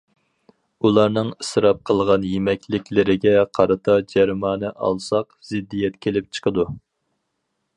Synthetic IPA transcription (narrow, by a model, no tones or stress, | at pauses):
ulˠɑɾnɨŋɨsɾɑp̚qʰəlˠʁɑnjemɛkʲlɪkʲlɪɾɪɡʲɛqʰɑɾɨt̪ʰɑd͡ʒæɾmɑːnɨʔɑ̰lˠsɑqzɪd̪ːijɛt̪kʲʰelɪp̚t͡ʃʰə̥qʰəd̪u